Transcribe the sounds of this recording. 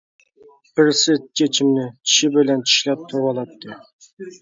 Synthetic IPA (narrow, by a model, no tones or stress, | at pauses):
b̥ɪɾsɪt͡ʃʰet͡ʃʰimnɪt͡ʃʰi̥ʃɪbɪlɛnt͡ʃʰi̥ʃlɛp̚t̪ʰuɾɑlˠɑt̪ʰːɨ